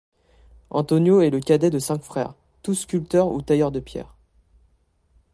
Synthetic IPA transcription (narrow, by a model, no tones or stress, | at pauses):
ɑ̰̃t̪ɔnjoɛləkʲad̪ɛd̪əsɛ̃kfχɛ̰ːʁ | t̪uskʲylt̪œʁṵt̪ajœʁd̪əpjɛ̰ːʁ